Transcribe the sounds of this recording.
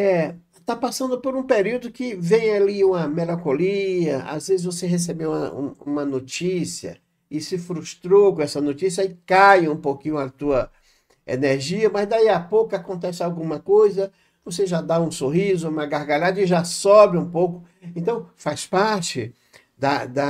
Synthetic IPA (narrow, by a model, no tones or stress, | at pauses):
ɛ | t̪apasɐ̃nd̪ʊpoɾũpeɾiwd̪ʊkɪvẽj̃aliũmɐmelɐ̃koliɐa̰zvezɪzvoseɦes̬ebeũmɐ̰ũṵ̃mɐnot͡ʃisiɐ̰ | ɪsɪfɾuʃt̪ɾowkõɛsɐnot͡ʃisiɐɪkajũpokĩɲʊɐt̪uɐ | ḛneɾʒiɐmɐzd̪aiapowkʊakõnt̪ɛsɪawɡũmɐkojzɐ | voseʒad̪aũsoɦizʊũmɐɡaɾɡaʎad̪ɐɪʒasɔbɪũpowkʊ | ẽnt̪ɐ̃w̃faspaɾt͡ʃɪ | d̪ɐd̪ɐ